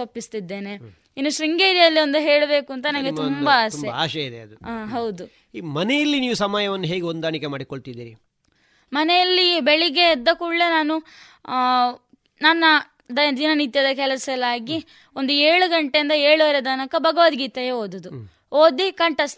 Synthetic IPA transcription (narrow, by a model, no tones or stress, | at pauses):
opːist̪id̪ːe̞ːne̞ | inːuʃɾiŋɡeːɾijɐlːio̞nd̪uɦe̞ːɭbe̞ːkuɐnt̪ɐnɐnɡet̪umbɐaːsteɐaːʃɐid̪eɐd̪uaːɦɐwd̪u | mɐnejɐlːiniːʋusɐmaːjɐʋɐnːuɦeːɡeond̪aːɳikemaːɽikoɭt̪id̪iːɾi | mɐnejɐlːibeɭiɡe̞ːd̪ːɐkuɭːenaːnu | nɐnːɐ | d̪ɐd̪inɐnit̪jɐd̪ɐkɛlɐsɐlaːɡi | o̞nd̪ueːɭuɡɐɳʈejind̪ɐeːɭuʋɐɾed̪aːnɐkɐbʱɐɡɐʋɐd̪ɡiːt̪ɐjeːoːd̪ud̪u | oːd̪ikɐɳʈɐst̪